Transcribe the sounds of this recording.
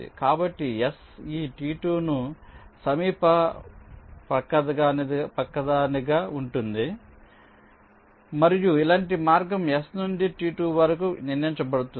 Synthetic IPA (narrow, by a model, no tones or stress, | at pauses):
ḭkaːbɐʈːijes | iːʈiːʈuːnusɐmiːpɐ | pɐkːɐd̪ɐɡaːnpɐkːɐd̪aːniɡaːuɳʈund̪i | mɐɾijuilaːɳʈimaːɾɡɐmjesnunɖiʈiːʈuːʋɐɾɐkuniɾnɐiɲt͡ʃɐbɐɽut̪u